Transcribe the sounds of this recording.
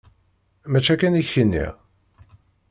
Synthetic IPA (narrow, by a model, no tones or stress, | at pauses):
mæt͡ʃːækæniçənːḭʁ